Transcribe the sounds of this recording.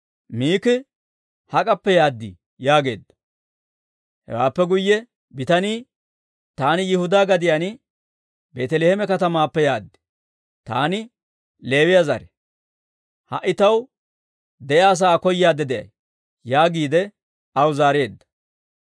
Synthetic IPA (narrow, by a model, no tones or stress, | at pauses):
miːkɪ | hɐkʼɐpːɛjaːd̪ːɪ̰ | jaːɡe̞̰ːd̪ːɐ̥ | hɛ̰waːpːɛɡʊjːɛ | bɪt̪ɐniː | t̪aːnɪjɪhʊd̪aːɡɐd̪ɪjɐnɪ | beːt̪ɛleːhɛmɛkɐt̪ɐmaːpːɛjaːd̪ːɪ̥ | t̪a̰ːnɪ | le̞ːwɪjɐzɐ̰ɾɛ | hɐ̰ʔɪt̪ɐw | d̪ɛjaːs̬aːkɔjːaːd̪ɛd̪ɛjɐ̰j | jaːɡiːd̪ɛ | ɐwzaːɾe̞ːd̪ːɐ̥